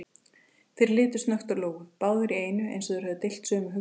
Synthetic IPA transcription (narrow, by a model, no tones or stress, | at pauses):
fɪɾɪɾlɪːt̪ʏsnœxt̪ʏɾloːwɣʏpaːwðʏɾieːjnʏḛjnsɔðʏɾhɛvðʏt̪ɪjl̥t̪sœːmʏɦʏ